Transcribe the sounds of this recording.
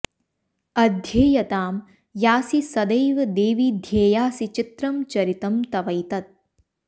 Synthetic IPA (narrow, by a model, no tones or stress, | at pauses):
ɐd̪ʱjeːjɐt̪aːm | jaːsisɐd̪ɐjʋɐd̪eːʋid̪ʱjeːjaːsit͡ʃɪt̪ɾɐmt͡ʃɐɾit̪ɐmt̪ɐʋɐjt̪ɐt̪̚